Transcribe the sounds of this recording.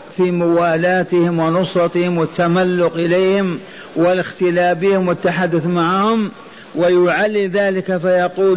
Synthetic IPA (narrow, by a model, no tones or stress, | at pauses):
fimʊwaːlaːt̪ɪhɪmwɪnʊsˤɑt̪ɪhɪmwɪt̪ːamalːʊqʔɪleːhɪm | wɪlɪxt̪ɪlaːbɪhɪmwɪt̪ːaħad̪ːʊθmaʕhʊm | wɪjʊʕalːiðaːlɪkafajɑquː